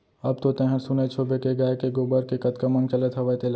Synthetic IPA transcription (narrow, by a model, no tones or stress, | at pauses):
ɐb̚t̪ot̪ɐ̃ɦəɽsʊnet͡ʃʰoːbekeɡaːekeɡobəɾkekɐt̪kɐmɐ̃ŋɡ̚t͡ʃɐlet̪ʰɦɐʋət̪el